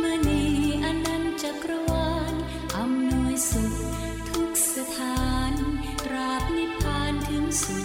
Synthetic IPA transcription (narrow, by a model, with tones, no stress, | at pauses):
ma˧niː˧˥ʔa˧nːa˧˥nt͡ɕa˨˩kɾa˧wa˧ŋ | ʔa˨˧mnu˧əjsu˨˩t̚ | t̪ʰu˦˥k̚sa˧pʰaː˧n | tɾaː˨˧˩p̚ni˧˥pʰaː˧nt̪ʰɯ˧˦ŋsi˨˩